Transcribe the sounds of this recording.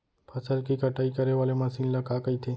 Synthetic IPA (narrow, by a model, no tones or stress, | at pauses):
pʰəsəlkikəʈaːikəɾeʋaːlemãsĩnlakakəit̪ʰeː